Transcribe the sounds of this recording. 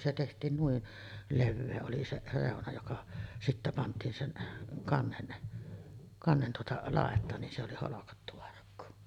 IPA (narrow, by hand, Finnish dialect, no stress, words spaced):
se tehtˑiːn nuin leʋːeː oli se reˑonɑ jokɑ sitːæ pɑntˑiːn sen kɑnːen kɑnːen tuotɑ lɑˑetˑɑːn nin se oli holokɑtːu ɑrkːu